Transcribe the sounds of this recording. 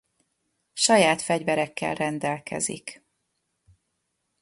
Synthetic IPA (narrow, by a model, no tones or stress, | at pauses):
ʃɒjaːt̪fɛɟvɛɾɛkːɛ̰lrɛnd̪ɛlkɛ̰zḭk